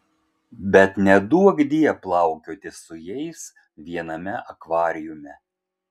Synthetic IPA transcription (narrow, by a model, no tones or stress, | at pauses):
bʲɛt̪nʲɛd̪uɔɡd̪ʲiɛplˠɑˑʊkʲoːt̪ʲɪsʊjɛɪs | ʋʲiɛnɐmʲɛʔɐkʋɑːɾʲɪjʊmʲɛ